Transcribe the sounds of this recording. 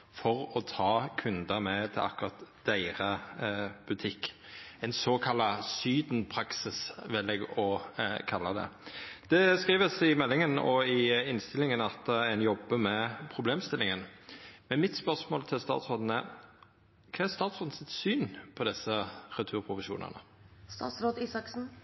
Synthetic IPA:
fɔʁɔt̪ʰɑːkʰʉnd̪əmɛt̪ʰɪlɑ̰kʊʁɑt̪d̪̥æɪɾə | b̥ʉt̪ʰɪkː | ɛnsoːkʰɑlːɑsyːd̪n̩pʰɾɑksɪsʋɪlːɛɡɔkʰɑlːɑd̪ɛ̰d̪̥ɛskʁiːʋəsɪmɛlːɪŋənɔ̰ɪɪnst̪ɪlːɪŋənɑt̪ɛnjɔbːəmɛpʰɾʊbleːmst̪ɪlɪŋənmɛnmɪt̪spœʁsmoːlt̪ʰɪlst̪ɑ̰ːt̪sɾʁoːd̪n̩ə | kʰɑːæɾst̪ɑːt̪sʁoːd̪n̩sɪt̪syːnpʰɔd̪ɛsəʁʉt̪ʰʉːɾpʰʁʊfɪʃṵːnə̰nə̰st̪ɑ̰ːt̪sɾoːd̪iːsɑksn̩

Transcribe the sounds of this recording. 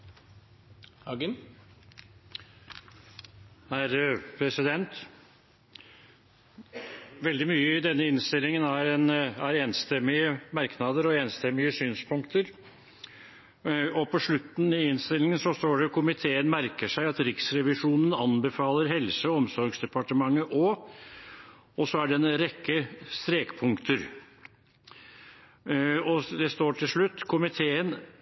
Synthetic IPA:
hɑɡ̪ | hæɾpʰɾɛsɪd̪ɛnt̪ | ʋɛld̪ɪmyːəɪd̪ɛnːəɪnst̪ɪlːɪŋənæɾɛnæɾeːnst̪ɛmɪəmɑɾknɑd̪əɾɔeːnst̪ɛmːɪəsyːnspʰʊŋkt̪ʰəɾ | ɔpʰɔʂɭʉt̪ːn̩ɪɪnst̪ɪlːɪŋənsɔst̪oːɖɛkʰʊmɪt̪ʰeːənmæɾkəʂæɪɑt̪ɾɪksɾɛʋɪʂuːnənɑnbəfɑːləɾɦɛlsəɔmsɔɾɡsd̪ɛpɑʈəmɑŋːəʔɔ | ɔsɔæɖɛɛnɾɛkːəst̪ɾeːkpʰʊŋkt̪əɾ | ɔd̪ɛst̪oːʈʰɪlʂɭʉt̪ːkʰʊmɪt̪ʰeːən

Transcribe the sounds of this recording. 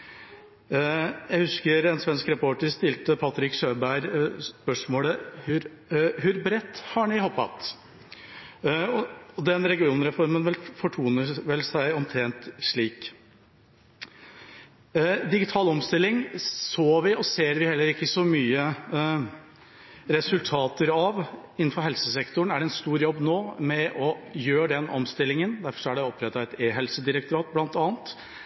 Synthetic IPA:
jæɪhʉskəɾɛnsʋɛnskɾɛpʰoːʈəɾst̪ɪlt̪əpʰɑt̪ɾɪkʂøːbæɪɾpœʂmoːləhʉɾ | ɦʉɾbɾɛt̪ːhɑɳɪhoːpːɑ̰t̪ | ɔɔd̪ɛnɾɛɡɪuːnɾɛfɔɾmənʋɛlfɔʈʰuːnəʋɛlsæɪɔmt̪ʰɾɛnt̪ʂɭiːk | d̪ɪɡɪt̪ʰɑːlɔmst̪ɪlːɪŋsoːʋɪɔseːɾʋɪhɛlːəɾɪkːəsɔmyːə | ɾɛsʉlt̪ʰɑːt̪əɾɑʋɪn̩ːfɔɾɦɛlsəsɛkt̪ʊɳæɖɛnst̪uːɾjɔbːnoːmɛʔɔjøːɖɛnɔmst̪ɪlːɪŋənd̪æɾfɔʂɔæɖɛɔpʰːɾɛt̪ːɑɛt̪eːɦɛlsəd̪ɪɾək̚t̪ʊɾɑːt̪̚blɑnt̪ɑːnt̪

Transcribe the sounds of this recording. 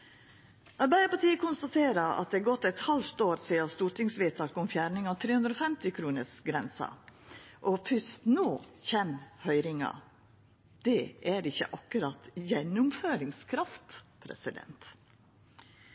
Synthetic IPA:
ʔɑɾbæɪəpɑʈiːəkʰʊnst̪ɑt̪ʰeːɾəɾɑ̰t̪̚d̪ɛɡɔt̪ːɛt̪hɑlft̪oːɾsiːɑst̪uːɾʈɪŋsʋeːt̪ʰɑːkʊmfjæːɾɳɪŋɑt̪ʰɾeːʉnd̪ɾoːfɛmt̪ɪkʰɾuːnəʂɡɾɛnsə̰ʔɔfʏst̪noːçɛnhœʏɾɪŋɑ̰ | d̪̥ɛʔæɾɪçːə̰ʔɑkːʉɾɑt̪jɛnːʊmføːɾɪŋskʰɾɑft̪pʰɾɛ̰sɪd̪ɛ̰nt̪

